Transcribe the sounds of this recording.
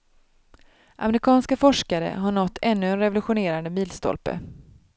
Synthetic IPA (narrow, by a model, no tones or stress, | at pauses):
ʔa̰mɛɾɪkʰɑːnskafɔʂkaɾə̰ɦaɳɔt̪ʰːɛnːɵɛnɾɛvʊlɵɧʊneːɾand̪əmiːlst̪ɔ̰lpə̰